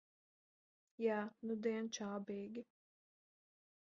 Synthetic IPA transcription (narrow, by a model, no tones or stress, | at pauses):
jæːnud̪ɛːnt͡ʃaːbeːɡʲɪ